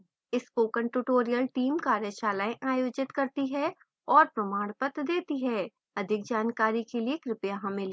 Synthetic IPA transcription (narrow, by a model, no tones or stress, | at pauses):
ɪspoːkə̃ɳʈuːʈoːɾijəlʈiːmkaːɾjəʃaːlaːẽʔaːjoːd͡ʒɪt̪kɐɾt̪iɦɛ | ɔːɾpɾɐmaːɽpət̪d̪eːt̪iɦɛː | ɐd̪ʱɪk̚d͡ʒaːnkaːɾikeliekɾɪpjaɦɐ̃mẽl